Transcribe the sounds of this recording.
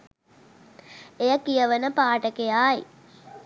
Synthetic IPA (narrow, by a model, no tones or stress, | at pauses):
ejəkijəʋənəpaːʈəkejaːj